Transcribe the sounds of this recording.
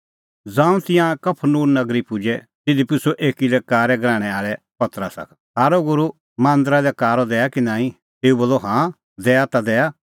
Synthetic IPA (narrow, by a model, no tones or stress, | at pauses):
d͡zãːũt̪ɪjãkɐpʰnuːɾnɐɡɾipʊd͡ʒɛ | t̪ɪd̪ipʊsoʔeːkilɛkaːɾɛɡɾãːɽ̃ɛaːɭɛ | pɐt̪ɾa̰sɐ̰k | ɦaːɾoɡʊɾu | mãːnd̪ɾalɛkaːɾɔd̪ɛːakinãːĩ | t̪eːubɐːloɦãː | d̪ɛːat̪ad̪ɛːa